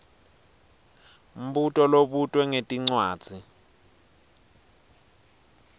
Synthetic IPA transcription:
m̩ɓutʼɔloɓutʼwɛŋetʼiŋ͡ǀwaːd̥z̥ʱi

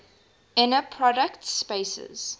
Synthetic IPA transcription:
ɛnəpʰɹɔdəktspeɪsə̰z̥

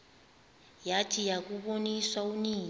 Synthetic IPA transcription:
jatʰijak̬ʼuɓoniswauniː

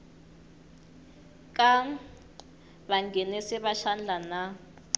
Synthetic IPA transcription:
kʼa | βaŋɡʱɛnɛsiβaʃand͡ɮʱana

